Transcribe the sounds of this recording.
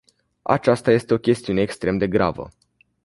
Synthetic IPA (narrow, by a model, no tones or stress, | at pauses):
a̰t͡ʃast̪aje̞st̪e̞o̞kʲe̞st̪iune̞ːkst̪ɾe̞md̪e̞ɡɾa̰və̰